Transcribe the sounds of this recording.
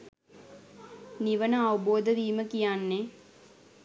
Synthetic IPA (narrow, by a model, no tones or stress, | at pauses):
niʋənəːʋuboːd̪əʋiːməkijanːe